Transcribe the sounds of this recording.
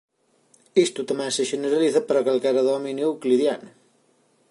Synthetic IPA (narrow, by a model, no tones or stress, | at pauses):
ist̪ut̪ɐmɛsəʒəneɾɐliθəpəɾakalkaɾɐðɔminuwkliðjan